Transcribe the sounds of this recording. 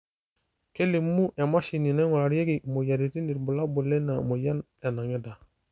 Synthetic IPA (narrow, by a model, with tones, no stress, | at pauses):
ke˦li˨mːu˦ja˨ma˦ʃi˨ni˨ne˦ŋo˨la˨ɾje˦ɡi˨mo˨ja˨ɾi˨ti˦ni˨ɾbu˨la˦bu˨le˦na˨mo˨ja˦nja˨na˨ŋe˦da˨